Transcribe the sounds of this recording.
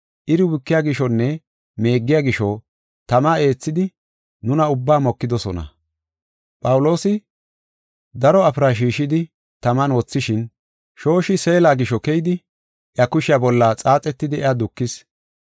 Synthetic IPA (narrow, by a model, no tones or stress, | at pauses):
ʔɪɾɪwɪkːɪjaːɡɪʃɔnːɛ | me̞ːɡːɪjaːɡɪʃɔ | t̪ɐmae̞ːt͡sːɪd̪ɪ | nʊnɐʊbːaːmɔkːɪd̪ɔsɔnɐ̰ | pʼɐwlo̞ːsɪ | d̪ɐɾɔɐpɾaʃ̬iːʃɪd̪ɪ | t̪ɐmɐnwɔt͡sːɪʃɪn | ʃo̞ːʃɪse̞ːlaːɡɪʃɔkɛjɪd̪ɪ | ʔjɐkʊʃɪjabɔlːat͡sʼaːt͡sʼɛt̪ːɪd̪ɪɛad̪ʊkːɪs